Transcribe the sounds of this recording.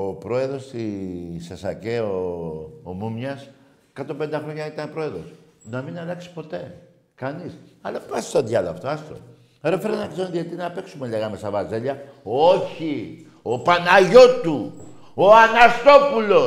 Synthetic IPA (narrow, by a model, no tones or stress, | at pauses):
opɾo̞e̞ðɾo̞st̪isesɐ̰ceoː | mumɲɐs | kɐt̪opend̪ɐxɾo̞ɲɐit̪ɐnpɾo̞e̞ðɾo̞s | nɐminɐlɐksi̥po̞t̪e̞ | kɐnisɐlɐpɐsi̥st̪oðʝɐlɐ̰ft̪oɐst̪o̰ | ɾefeɾenɐkzeɾoðiɐt̪inɐpe̞ksumeleɣɐmest̪ɐvɐzeʎɐ | oçi | opanɐʝo̞t̪u | oanɐst̪o̞pulo̞